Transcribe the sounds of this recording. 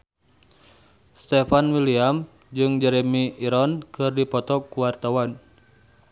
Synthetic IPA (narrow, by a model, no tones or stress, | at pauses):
st̪ɛfanwiliam | d͡ʒɨŋd͡ʒɛɾɛmiiɾɔnkɨrdipɔt̪ɔkuwart̪awan